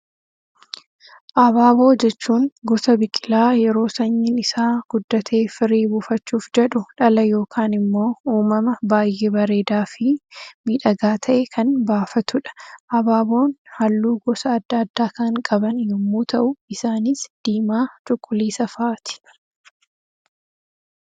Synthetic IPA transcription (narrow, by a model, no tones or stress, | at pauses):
ʔɐbaːbo̞ːd͡ʒɛt͡ʃːuːŋɡɔsɐbɪkʼːɪlaːjɛɾo̞ːsɐɲːɪnɪsaːɡ̥ʊd̪ːɐt̪ʰeːfɪɾiːbʊfɐt͡ʃːuːfd͡ʒɛᶑʊᶑɐlɐjo̞ːkʰaːnɪmːo̞ːuːmɐmɐbaːjʔeːbɐɾe̞ːd̪aːfɪmiːᶑɐɡaːt̪ʰɐʔekʰɐnbaːfɐt̪ʊᶑɐ̥ʔɐbaːbo̞ːnhɐlːuːɡɔsɐːd̪ːaːd̪ːaːkɐŋkʼɐbɐnjʊmːuːt̪ɐʔʊɪsaːnɪsd̪̥iːmaːt͡ʃʼʊkʼːʊliːsɐfaːt̪ɪ̥